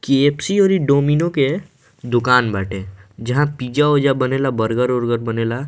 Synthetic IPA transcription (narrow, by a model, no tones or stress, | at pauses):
kepsiɔːɾiɖoːminoke | d̪ʊkaːnbaːʈʰẽd͡ʒɐɦãpiːd͡ʒaoːd͡ʒabɐneːlabəɾɡəɾoːɾɡəɾbɐneːla